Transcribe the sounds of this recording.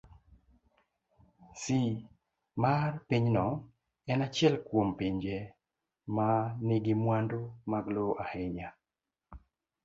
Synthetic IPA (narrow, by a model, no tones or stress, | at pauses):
si | marpiɲnɔ | ɛnat͡ʃɪɛlkwompiɲd͡ʒe | manɪɡɪmwandomaɡloʔahɛɲa